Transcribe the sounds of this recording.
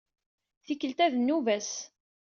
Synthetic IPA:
θikːəlt̪æðənːuvæs

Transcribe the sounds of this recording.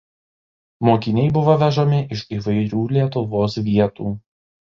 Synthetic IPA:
moːkʲɪnʲɛɪbʊʋoʋʲɛʒomʲɪʔɪʃiːʋɐɪɾʲuːlʲiɛt̪ʊʋoːsʋʲiɛt̪uː

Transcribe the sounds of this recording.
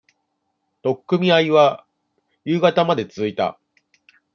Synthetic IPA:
t̪o̞kːɯ̟mʲiaiβa | jɯ̟ːɡat̪amad̪e̞t͡sɨzɨit̪a̰

